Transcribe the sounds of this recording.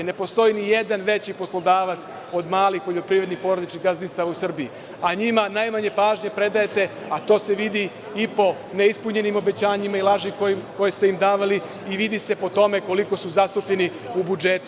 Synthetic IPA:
ne̞po̞st̪o̞inije̞d̪anʋe̞t͡ɕipo̞slˠod̪aːʋat̪s | o̞d̪maːlixpo̞ʎo̞pɾiːʋɾe̞d̪nixpo̞ɾod̪it͡ʃkiɣɡazd̪inst̪aʋausr̩bii | aɲimanajmaɲe̞paːʒɲe̞pɾe̞d̪ajet̪e̞ | at̪o̞ːse̞ʋid̪i | ipo̞ | ne̞ispuɲe̞nimo̞be̞t͡ɕaːɲimailˠaʒikoko̞jest̪eimd̪aːʋaliː | ʋid̪ise̞po̞t̪o̞me̞ko̞liko̞suzast̪upʎe̞ni | ubud͡ʒet̪

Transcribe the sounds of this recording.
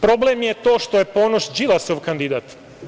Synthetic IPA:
pɾo̞blemjet̪o̞ːʃt̪o̞jepo̞ːnoʃd͡ʒilˠasoʋkand̪id̪aːt̪

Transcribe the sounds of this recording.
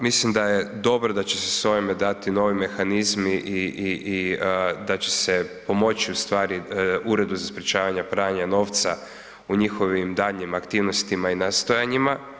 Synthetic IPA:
mislimd̪aje̞d̪o̞bɾod̪at͡ɕesesojemed̪at̪ino̞ːʋime̞xanizmiʔiʔiid̪at͡ʃe̞̥sepo̞mo̞t͡ʃiust̪ʋaːɾiuɾe̞d̪buzaspɾʲet͡ʃaːʋaɲapɾaɲano̞ʋt̪sa | uɲixo̞ʋimd̪aʎɲimakt̪iːʋno̞st̪imainast̪o̞jaɲima

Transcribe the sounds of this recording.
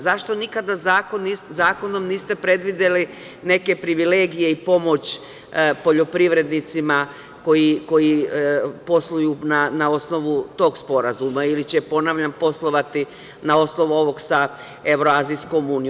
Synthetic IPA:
zaʃt̪o̞nikad̪azaːkoniszaːko̞no̞mniːst̪e̞pɾe̞d̪ʋid̪e̞li | ne̞ke̞pɾiʋile̞ːɡije̞ipo̞mo̞t͡ɕ | po̞ʎo̞pɾiʋɾe̞d̪nit̪sima | ko̞jiko̞ji | po̞slˠujunanao̞sno̞ʋut̪o̞ːɡspo̞ɾazumailit͡ɕepo̞naʋʎampo̞slˠo̞ʋat̪i | nao̞sno̞ʋuo̞ʋo̞ɡsa | e̞ʋɾo̞aːzijsko̞muːni

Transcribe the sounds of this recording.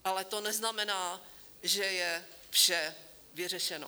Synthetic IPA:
ʔalɛt̪onɛznamɛnaː | ʒɛjɛfʃɛ | vɪr̝ɛʃɛno̰

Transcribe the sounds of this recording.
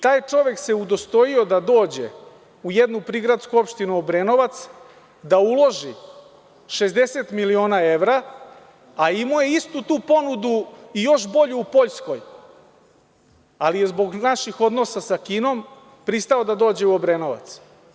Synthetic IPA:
t̪aːjt͡ʂo̞ʋe̞kse̞ud̪o̞st̪o̞io̞d̪ad̪o̞ːd͡ʑe̞̰ | uje̞d̪nupɾiɡɾat̪skuo̞pʃt̪inuobɾeno̞ʋat̪s | d̪aulˠo̞ʒi | ʃe̞zd̪e̞se̞t̪milio̞ːnae̞ʋɾaː | imojeist̪ut̪uːpo̞nud̪uijo̞ʃbo̞ʎuːpo̞ʎsko̞j | alije̞zbo̞ɡnaʃixo̞d̪no̞sasakiːno̞m | pɾist̪ao̞d̪ad̪o̞ːd͡ʑe̞uobɾenoʋa̰t̪s

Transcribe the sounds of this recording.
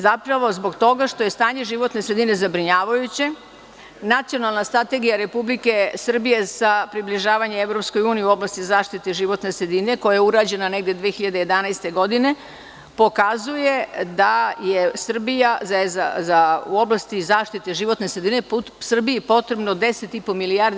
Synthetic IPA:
zapɾaʋo̞zbo̞ɡt̪o̞ɡaʂt̪o̞je̞st̪aːɲe̞ʒiʋo̞t̪nesɾe̞d̪ine̞zabɾiɲaːʋajut͡ɕe | nat̪sio̞nalˠnast̪ɾat̪e̞ɡijaɾe̞publike̞sr̩bije̞sapɾibliʒaːʋaɲeevɾo̞psko̞juːniiuo̞blˠast̪izaːʃt̪it̪eʒiʋo̞t̪ne̞sɾed̪ine̞ko̞jajeuɾaːd͡ʑe̞nane̞ɡd̪jed̪ʋeːxiʎad̪eje̞d̪anajst̪e̞ɡo̞d̪ine̞ | po̞kazuje̞d̪ajesr̩bijazaezazauoblˠast̪izaːʃt̪it̪eʒiʋo̞t̪ne̞sɾed̪ine̞p | sr̩biipo̞t̪ɾe̞bnod̪e̞set̪ipo̞milijaɾd̪

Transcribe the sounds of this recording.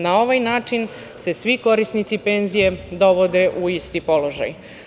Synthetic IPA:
nao̞ʋajnaːt͡ʃin | se̞sʋiko̞ɾisnit̪sipe̞nzije̞d̪o̞ʋo̞d̪e̞ʔuist̪ipo̞lo̞ʒa̰j

